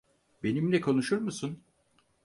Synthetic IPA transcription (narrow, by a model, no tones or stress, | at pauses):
be̞nimlʲɛkʰo̞nuʃuɾmusun